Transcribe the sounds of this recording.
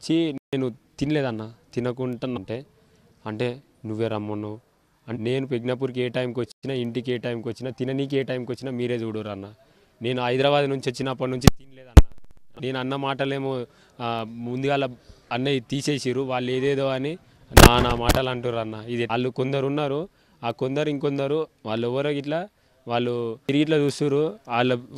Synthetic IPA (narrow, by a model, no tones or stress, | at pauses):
t͡ʃineːnut̪inileːd̪ɐnːaːt̪inɐkuɳʈɐnɐɳʈe̞ː | ɐɳʈe̞ː | nuʋːeːɾɐmːɐnːu | ɐne̞ːnupeɡnɐpuːɾk̬ieːʈɐjmkiʋot͡ʃːinaiɳʈikeːʈɐjmkʋot͡ʃːinat̪inɐniːk̬ieːʈɐjmkʋot͡ʃːinamiːɾe̞ːd͡ʒuːɽoːɾɐnːaː | ne̞ːnuɐjd̪ɾɐʋaːd̪nuɲt͡ʃiʋot͡ʃːinɐpːɐʈnuɲt͡ʃit̪inileːd̪ɐnːaːne̞ːnuɐnːɐmaːʈɐle̞ːmo | mund̪uɡaːlːɐɐnːeit̪iːseːsiːɾuʋaːɭːe̞ːd̪eːd̪oːɐni | naːnaːmaːʈɐlɐɳʈunɾɐnːaːid̪iːlːukond̪ɐɾunːaːɾu | aːkond̪ɐɾuiŋkond̪ɐɾuʋaːɭːuɛʋːɐɾokiʈ̬la | ʋaːɭːuiɾiɡiʈ̬lɐd͡ʒuːsuɾuaːɭːu